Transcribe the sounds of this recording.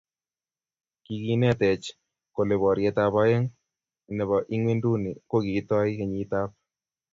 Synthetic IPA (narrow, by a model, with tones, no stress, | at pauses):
ki˨ki˦nɛ˦˨t̪ɛ˨t͡ʃ | ko˨le˨βɔ˨ɾjɛ˨t̪a˨pa˦jɛ˦ŋ˨ | ne˨βɔ˨ʔi˦ŋwe˦ndu˦ni˨ko˦ɡi˨˦t̪ɔ˦ɪ˦ke˨ɲi˨˦t̪a˦p̚